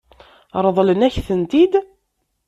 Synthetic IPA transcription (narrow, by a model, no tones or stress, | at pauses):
ɾˤəðˤlənæçθənt̪id̪